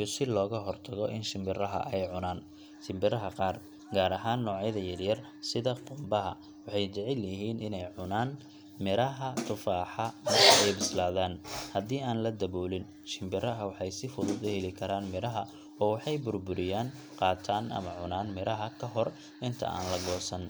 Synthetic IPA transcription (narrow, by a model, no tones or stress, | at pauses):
ijɔsɪlɔːɣɐɦɔrt̪ʰɐɣɔʔɪnʃɪmbɪrɐɦɐ̰ʔɛjʕʊnaːn | ʃɪmbɪɾɐɦɐqɑːr | ɡaːɾɐɦaːnːɔːʕjɐðɐjɐrjɐr | sɪðɐqʊmbɐɦɐ̰ | wɑħɑjt͡ʃɛʕɪljɪɦiːnɪnɛjʕʊnaːn | mɪɾɐɦɐt̪ʰʊfaːħɑmɐrkʰɐɛjbɪslaːðaːnhɐd̪iːaːnlɐd̪ɐβɔːlɪn | ʃɪmbɪrɐɦɐwɑħɑjsɪfʊðʊd̪ʊhɛlɪkʰɐɾaːnmɪɾɐɦɐ | ɔːwɑħɑjbʊrbʊɾɪjaːn | qɑːt̪ʰaːnʔɐ̰mɐʕʊnaːnmɪɾʔɐɦɐkʰɐɦɔr | ʔɪnt̪ʰɐ̰ʔa̰ːnlɐɡɔːsɐn